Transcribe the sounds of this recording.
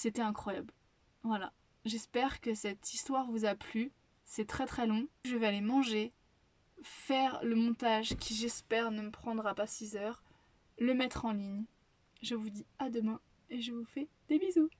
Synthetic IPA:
set̪ɛɛ̃kχwajabl | vwala̰ | ʒɛspɛʁkəsɛt̪ʰist̪waʁvuzaply | sɛt̪χɛt̪χɛlɔ̃ʒəvɛalemɑ̃ʒe | fɛʁləmɔ̃t̪aʒkʲʰiʒɛspɛʁnəməpχɑ̃d̪ʁapasizœːʁ | ləmɛt̪χɑ̃liɲ | ʒəvud̪iad̪əmɛ̃ | eʒəvufɛd̪ebizu

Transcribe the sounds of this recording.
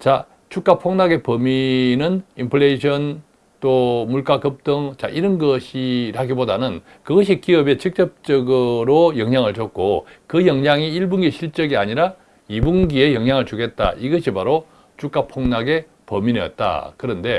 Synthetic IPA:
t͡ɕa | t͡ɕuk͈apʰoŋnaɡe̞pʌminɯnimpʰɯɭeiɕʰʌn | t͈omuɭk͈akɯp̚t͈ɯŋt͡ɕa̰ʔiɾʌnɡʌɕʰiɾɦaɡibodanɯn | kɯɡʌɕ̬ʰikiʌbe̞t͡ɕɯk̚t͡ɕ͈ʌp̚t͡ɕ͈ʌɡɯɾojʌŋɲaŋɯɭt͡ɕʌk̚k͈o̰kɯjʌŋɲaŋiiɭbuŋɡiɕʰiɭt͡ɕ͈ʌɡiaɲiɾa | ibuŋɡie̞jʌŋjaŋɯɭt͡ɕuɡe̞t̚t͈a̰iɡʌɕʰipaɾo | t͡ɕuk͈apʰoŋnaɡe̞ | pʌminijʌ̰t̚t͈a̰kɯɾʌnde̞

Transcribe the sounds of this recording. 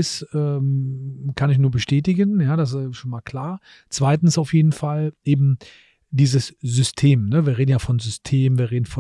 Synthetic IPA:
ɪsʔɛːmkʰanɪç̬nuːɐbəʃtɛːtɪɡənjaːdas̬ʃoːnmaːlkʰl̥aːɐ | t͡sv̥aɪtn̩saʊfjeːdn̩falʔeːbm̩ | d̥iːzəszʏstʰeːmnəviːɐʁeːdn̩jaːfɔnzʏstʰeːmviːɐʁeːdn̩fɔ

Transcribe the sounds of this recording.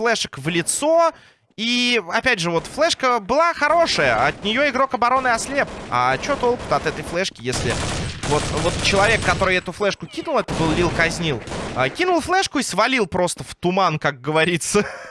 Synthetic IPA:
flˠɛʂəkvlʲɪt̪so̞ | iɐpʲædʲʐɨvo̞t̪flˠɛʂkəbɨlˠaxɐɾo̞ʂəjəɐt̪nʲɪjo̞ɪɡɾo̞kɐbɐɾo̞nɨɐslʲepa̰t͡ɕot̪olˠkʊ̥t̪ɐt̪ɛt̪əjflˠɛʂkʲɪjesʲlʲɪvo̞t̪vo̞t̪t͡ɕɪlˠɐvʲe̞kːɐt̪o̞ɾɨjɛt̪ʊflˠɛʂkʊkʲinʊlˠɛt̪əbɨlˠlʲilˠkɐzʲnʲilˠəkʲinʊlˠflˠɛʂkʊisvɐlʲilˠpɾo̞st̪əft̪ʊmankak̚ɡəvɐɾʲit̪sə

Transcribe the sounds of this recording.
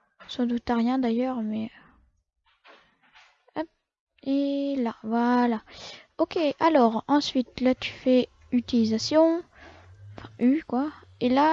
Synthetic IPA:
sɑ̃d̪ut̪aʁjɛ̃d̪ajœʁmɛ | ap | elavwalaɔkʲealɔʁɑ̃sɥit̪lat̪y̥fɛ | yt̪ilizasjɔ̃ | fɛ̃ʔykwa | ela

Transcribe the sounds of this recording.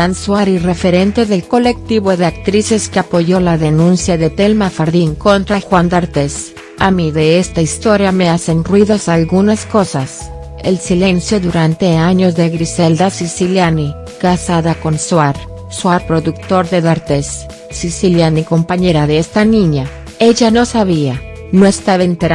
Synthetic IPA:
answaɾire̞feɾe̞nt̪e̞ðe̞lko̞le̞k̚t̪iβo̞ðeak̚t̪ɾise̞skeapo̞ʝo̞laðenũnsjaðe̞t̪elmafaɾðiŋko̞nt̪ɾaxwand̪aɾt̪es | amiðe̞est̪aist̪o̞ɾjame̞ase̞nrwiðosalɣunasko̞sas | ḛlsile̞nsjo̞ðuɾant̪e̞aɲo̞zðeɣɾiseld̪asisiljani | kasaðako̞nswaɾ | swaɾpɾoðuk̚t̪o̞ɾðeðaɾt̪esː | isiljaniko̞mpaɲe̞ɾaðeest̪anĩɲa | e̞ʝano̞saβia | noest̪aβent̪eɾ

